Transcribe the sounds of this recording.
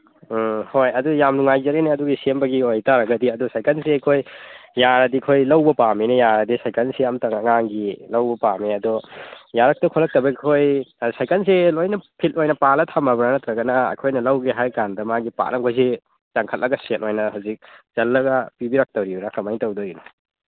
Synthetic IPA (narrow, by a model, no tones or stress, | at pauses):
hojɐdujamnuŋajzɐɾinaɐduɡisembɐɡiojtaɾɐɡɐdiɐdusajkʰanseɐjkʰojːaɾɐdikʰojlɐwbɐpaminɐjaɾɐdisajkʰansiamtɐŋɐŋaŋɡilɐwbɐpamiɐdɔjaɾɐk̚tɐkʰɔlɐk̚tɐbɐkʰojsajkans̬elojnɐpʰitojnɐpalɐtʰamɐbɾanɐtɾɐɡɐnɐɐ̰jkʰojnɐlɐwɡeɦajkandɐmaɡipa̰nɐkʰojse | t͡ʃaŋkʰɐt̚lɐɡɐsetʔojnɐhawzik̚d͡ʒɐlːɐɡɐpibiɾak̚tɐwɾibuɾakɐmajŋtɐwdojunɐ